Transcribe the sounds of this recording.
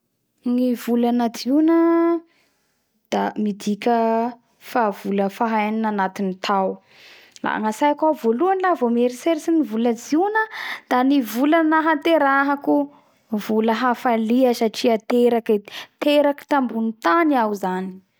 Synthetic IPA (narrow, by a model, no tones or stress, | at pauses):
ŋivulanad͡zinə | d̪̥amid̪ikʲə | fav̥uləfaɦajninanat̪init̪ʰaw | la̰a̰ŋasajakavoluanilavomeɾiseɾisinivuləd͡zinəd̪̥anivulanaɦant̪eɾaɦaku | vuləɦafaliəsaʈ͡ʂiat̪eɾaket̪eɾaki̥t̪ambunit̪aniawzani̥